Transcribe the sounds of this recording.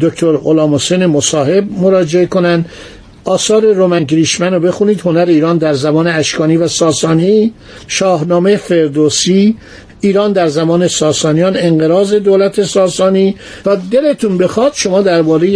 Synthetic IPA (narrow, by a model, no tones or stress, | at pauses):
d̪ok̚t̪ʰoɾolɒːmhosejnemosɒːhe̞b̚mo̞ɾɒːd͡ʒeeko̞nænd̪ | ʔɒːsɒːɾe̞ɾomæŋɡɾiʃmænobe̞xuniːd̪ho̞næɾe̞iːɾɒːnd̪æɾzæmɒːneæʃkʰɒːniːvæsɒːsɒːni | ʃɒːɦnɒːmejefe̞ɾd̪osi | iːɾɒːnd̪æɾzæmɒːne̞sɒːsɒːnijɒːne̞ŋɡeɾɒːze̞d̪oːlæt̪ʰe̞sɒːsɒːniː | t̪ʰɒːd̪e̞le̞t̪ʰunbe̞xɒːd̪̥ʃo̞mɒːd̪æɾbɒːɾe̞j